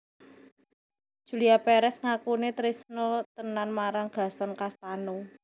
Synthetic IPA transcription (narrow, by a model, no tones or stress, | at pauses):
d̥ʒ̥ṳliapeɾɛsŋakunet̪ɾisnot̪ənanmaɾaŋɡ̥a̤sɔnkast̪anu